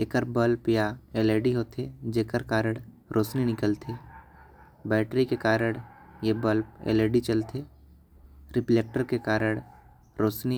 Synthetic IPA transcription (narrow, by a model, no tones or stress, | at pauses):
eːkəɾbəlpjaeːleːɖiɦoːt̪ed͡ʒeːkəɾkaːɾəɽ̃ | ɾʔoːsninɪkəlt̪ʰe | bɛːʈɾikekaːɾəɽ̃jebəlpḛːleːɖit͡ʃəlt̪ʰe | ɾɪpleːk̚ʈəɾkekaːɾəɽ̃ | ɾoːt͡ʃni